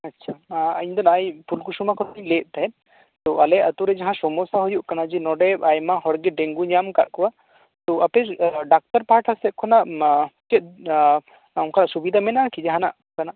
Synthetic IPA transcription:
ɐtːʃʰaaɲd̪ɔnajpʰulkusumakʰɔnilɛt̪̚ˀt̪aɛ | t̪ɔʔalɛət̪uɾɛd͡ʒaɦãsɔmɔsaɦujuʔkanad͡ʒinɔɖɛbajmahɔɽɡɛɖɛŋɡuɲamkat̪̚kɔwa | t̪ɔapɛɖak̚t̪aɾpaɦaʈʰasɛt̪̚kʰɔnaʔt͡ʃɛt̪̚ | ãkʰanaʔsubid̪ʱamɛnakid͡ʒɛɦanaʔ | kanaʔ

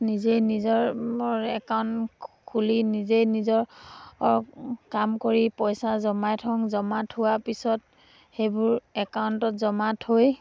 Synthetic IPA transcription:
nizejnizɔɹɔɹɛkawntkʰulinizejnizɔɹ | kamkoɹipɔjsazɔmajtʰɔŋzɔmatʰhʊwapisɔt̚ | xejbʊɹɛkauntɔtzɔmathoj

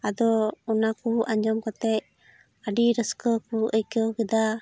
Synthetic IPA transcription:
ad̪ɔunakuʔaɲd͡ʒɔmkɔt̪ɛc̚ | aɖiɾəskəkuəjkəkɛd̪a

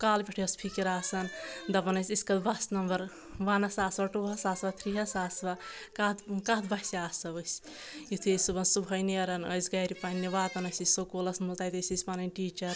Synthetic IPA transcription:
kaːlpʲiʈʰijɐspʰikiɾaːsɐnd̪ɐbɐnɐsʲiskɐd̪bɐsnɐmbɐɾ | ʋaːnɐsaːsʋaʈuːɦɐsaːsʋat̪ʰɾiɦɐsaːsʋa | kat̪kaɦd̪bɐɦsiaːsɐbɐs | jit̪ʰisubɐnsubʱɐjniɐɾɐnɐ̰jzɡajɾipaːnːiʋaːt̪ɐnɐsisokolɐsmult̪ajt̪ɐsispaːnɐnʲʈiːt͡ʃɐɾ

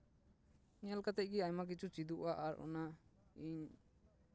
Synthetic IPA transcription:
ɲalkat̪ɛc̚ˀɡɛaɲmak̬it͡ʃʰut͡ʃid̪uʔaʔaɾʔɔ̰naiɲ

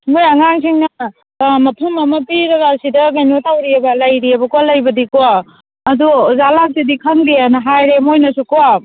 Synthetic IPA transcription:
mojɐŋaŋsiŋnɐ | mɐpʰumɐmɐpiɾɐɡasidɐɡɐjnotʰawɾiɐbɐlɐjɾiɐbɐkoalɐjbɐdikoa | ɐduzalasidikʰɐŋdianɐɦajɾemojnɐsukoa

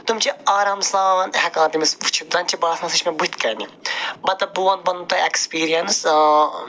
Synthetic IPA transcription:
t̪umt͡ʃiaːɾaːmsaːɐnɦɐkãːt̪imisut͡ʃʰud̪ɐnt͡ʃibaːsnɐsit͡ʃʰmebut̪kɐːnibɐt̪ɐbuːɐn̚bɐnt̪ɐekspiːɾijɐns

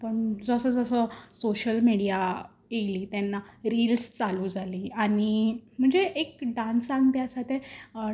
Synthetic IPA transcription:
pəɳd͡zəsəd͡zəsəsoɕəlmiɽija | jejliːt̪janːaɾilst͡saluːd͡zʱaliːaɽ̃im̤əɳd͡zeʔekɖãnsãŋɡt̪jasat̪ʰe

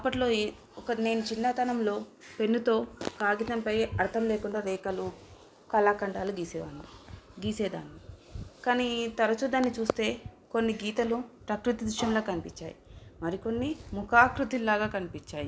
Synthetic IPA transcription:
ɐpːɐʈlo̞ː | ɔkɐne̞ːnut͡ʃinːat̪ɐnɐmlo̞ː | pe̞nːut̪o̞ːkaːɡit̪ɐmpɐjɐɾt̪ʰɐmleːkuɳɖaːɾɛːkɐlu | kɐlaːkɐɳɖaːluɡiːsɛʋaːniɡiːseːd̪a̰ːnːikaːnit̪ɐɾɐt͡ʃud̪anːit͡ʃuːst̪e̞ːko̞nːiɡiːt̪ɐlupɾɐkɾut̪id̪ɾiʂɐmlo̞ːkɐnipiɲt͡ʃːa̰ːjimɐɾiko̞nːimukʰaːkɾut̪ilːaːɡaːkɐnipiɲt͡ʃːaːji

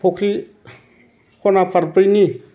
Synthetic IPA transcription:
pʰokʰɾi | kʰonapʰəɾpəjni

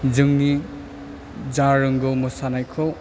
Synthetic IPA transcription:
zɯŋni | d͡ʒaɾɯŋɡɯwmɯsanajkʰɔw

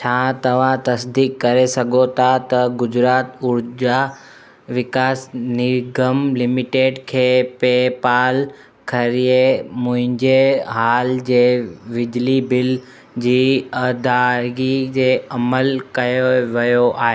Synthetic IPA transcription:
t͡ɕʰaːt̪ɐʋ̤ãt̪ɐsd̪iːkːɐɾesɐɡʱot̪ʰat̪ɐɡʊd͡ʑɾaːt̪ʊɾd͡ʑa | ʋɪkaːsnɪɡəmlɪmɪʈeːɖkʰeːpeːpaːl | kʰɐɾijemʊ̃ɦɪ̃ɲd͡ʑeɦaːld͡ʑeːʋɪd͡ʑlibɪl | d͡ʑiːɐd̪aːɾɡid͡ʑeːɐməlkɐjoʋɐjoʔaːɦeː

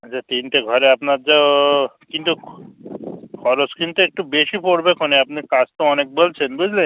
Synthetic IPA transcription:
ət͡ʃʰat̪inʈeɡʱɔɾeapnaɾd͡ʒakinʈ̪u | kʰɔɾoskʰint̪eek̚ʈubeʃipoɽbekʰɔneapnikast̪oɔnek̚bəlt͡ʃʰenbud͡ʑʱle

